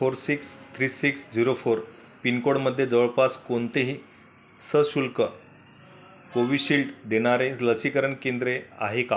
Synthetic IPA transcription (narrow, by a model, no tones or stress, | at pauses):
foɾsikst̪ʰɾiːsiksd͡ziɾofoɾ | pinkoɽməd̪ʱːjed͡zəʋəɭpaskont̪eɦiː | səɕulkə | koʋiːɕilʈd̪eɽ̃aɾeləsikəɾəɳkend̪ɾeaɦeka